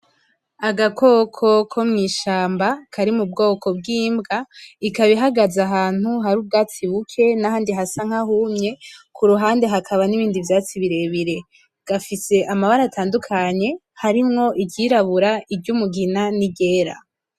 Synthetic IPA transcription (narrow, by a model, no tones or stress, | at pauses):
aɡako̞kʰo̞kʰo̞mŋiːʃaːmbakʰaɾimub̚ɡo̞ːkʰo̞b̚ɡiːmɡaikaβiɦaɡazaɦaːn̥huɦaɾuːb̚ɡat͡siβukʰe̞nahaːndiɦasaŋ̥hahumɲe̞kuɾuɦaːnde̞ɦakʰaβaniβiːndivjaːt͡siβiɾe̞βiɾe̞ | ɡ̥afise̞ʔamaβaɾatʰaːndukʰaɲe̞ | haɾimŋo̞ʔibɟiːɾaβuɾaibɟumuɡinaniɟe̞ːɾa̰